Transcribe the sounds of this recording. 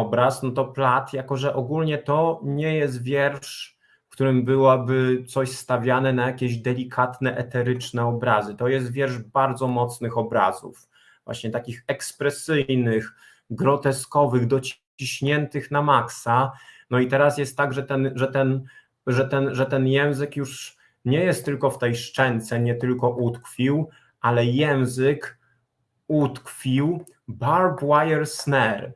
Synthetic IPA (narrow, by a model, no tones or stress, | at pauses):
ɔbɾasnɔt̪ɔplat̪jakɔʐɛʔɔɡulɲɛt̪ɔɲɛjɛs̬t̪vʲjɛɾʂ | kt̪uɾɘmbɘwabɘt̪sɔɕst̪avʲjanɛnajakʲeʑd̪ɛlʲikʰat̪nɛʔɛt̪ɛɾɘt͡ʂnɛɔbɾazɘt̪ɔjɛs̬t̪vʲjɛɾʐbaɾd̪zɔmɔt̪snɘxɔbɾa̰zṵf | vwa̰ɕɲɛt̪akʲixɛkspɾɛsɘjjnɘx | ɡɾɔt̪ɛskɔvɘɣd̪ɔt͡ɕ | iɕɲɛnt̪ɘxnamaksanɔit̪ɛɾasjɛst̪ːaɡʐɛt̪ɛnʐɛt̪ɛn | ʐɛt̪ɛnʐɛt̪ɛnjɛ̃w̃zɘkjuʂ | ɲɛjɛst̪ːɘlkɔft̪ɛjʂt͡ʂɛnt̪sɛɲɛt̪ɘlkɔʔut̪kfʲiw | ʔalɛjɛw̃zɘk | ut̪kfʲiw | baɾbwajɛɾsnɛɾ